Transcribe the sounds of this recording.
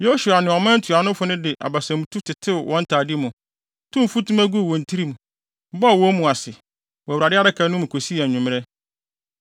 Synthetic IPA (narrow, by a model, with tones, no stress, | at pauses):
jo˦su˨a˨nɪ̃˨ɔ˨mã˦n̩˦tʰu˨a˨nʊ̃˦fʊ˦nʊ̃˦dɪ˨ʔa̰˨ba˨sã˨mũ˨tʰu˦tʰɪ˨tʰɪ˦˨wʔɔ̃˦n̩˦tʰaː˨dɪ˦mʊ̃˨˦ | tʰũ˦m˨fu˦tũ˦mæ˦ɡu˦˨wɔ̃˨n̩˨tʰi˦ɾi˦mũ˨˦ | bɔ˦a˨wɔ˦mũ˨a˨sɪ˨ | wɔ˨wɾa˨dɪ˦a˦ɾɪ˦kʰa˨nʊ̃˦m̃˨kʰo˨si˦a˨ɲʊ̃˨m˦ɾɛ˦